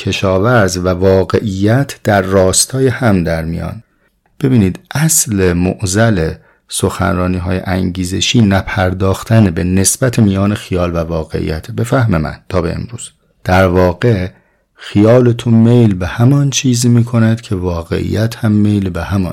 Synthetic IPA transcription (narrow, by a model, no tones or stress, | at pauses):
cʰe̞ʃɒːvæɾzvævɒːɣe̞ʔijːæt̪ʰd̪̥æɾːɒːst̪ʰɒːjehæmd̪æɾmijɒ̰ːn | b̥e̞biːniːd̪ʔæslemoʔzæle | so̞xæ̰nɾɒːniːɦɒ̰ːjḛʔæŋɟiːze̞ʃiːnæpʰæɾd̪ɒːxt̪ʰænebe̞ne̞sb̥æt̪ʰemijɒːnexijɒːlvævɒːɣe̞̰ʔḭjæ̰t̪ʰebe̞fæhmemæ̰nt̪ʰɒːbeḛmɾuːz̥ | d̪̥æɾvɒːɣe̞ | xijɒːlet̪ʰunmejlbehæmɒnt͡ʃʰiːzimiːkʰo̞næd̪̥cʰe̞vɒːɣe̞̰ʔḭjæt̪ʰhæmːejlbehæmɒ̰n